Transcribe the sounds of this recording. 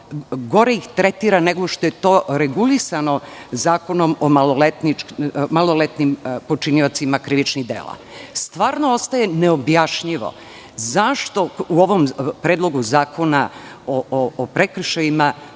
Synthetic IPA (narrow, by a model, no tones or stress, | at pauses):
ɡo̞ɾe̞ixt̪ɾet̪iːɾane̞ɡo̞ʃt̪o̞je̞t̪o̞ːɾeɡulisano̞zaːko̞nomomalolet̪nimalˠo̞let̪nimpo̞t͡ʃiniot̪simakɾiʋit͡ʃniɣd̪ḛːlˠa̰ | st̪ʋaːɾno̞o̞st̪aje̞neobjaʃʎiʋo̞̰ | zaʃt̪o̞uo̞ʋo̞mpɾeːd̪lˠo̞ɡuzaːkʰo̞na | ooːpɾekr̩ʃajima